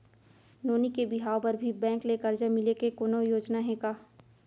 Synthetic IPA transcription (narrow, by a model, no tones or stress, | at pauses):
noːnikebɪɦaːopɐɾbʱibɛ̃ːŋkleːkəɾd͡ʒamɪlekekoːnojoːd͡ʒnaɦɛ̃kaː